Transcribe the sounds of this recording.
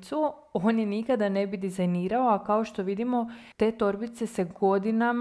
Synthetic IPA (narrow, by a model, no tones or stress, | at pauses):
t̪su | oːnjenikad̪ane̞bid̪izajniːɾao̞akaoʃt̪o̞ʋid̪imo̞ | t̪e̞t̪o̞ɾbit̪se̞seɡo̞d̪inam